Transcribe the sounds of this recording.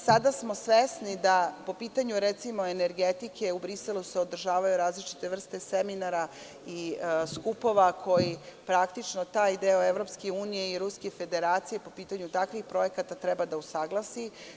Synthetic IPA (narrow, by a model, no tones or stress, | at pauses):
sad̪asmo̞sʋesnid̪apo̞piːt̪aɲuɾet̪simo̞e̞neɾɡet̪ikʰe̞ubɾiselˠuse̞o̞d̪r̩ʒaːʋajuɾaːzlit͡ʃi̥t̪e̞ʋr̩st̪e̞seminaɾa | iskupo̞ʋakʰo̞jipɾakt̪it͡ʃnot̪aːjd̪eoeʋɾo̞pskeuːnije̞iɾuskefe̞d̪eɾaːt̪sije̞po̞piːt̪aɲut̪akʋixpɾo̞je̞kat̪at̪ɾɛbad̪ausaɡlˠasi